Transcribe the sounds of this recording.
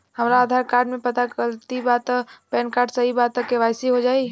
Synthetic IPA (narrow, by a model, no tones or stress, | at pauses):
hɐmɾaːd̪ʱaːɾkaːɾɖmẽpɐt̪akəlt̪ibaːt̪ːpɛːnkaːɾɖsɐɦibaːt̪ːəkːeʋaːɪsiɦod͡ʒaːi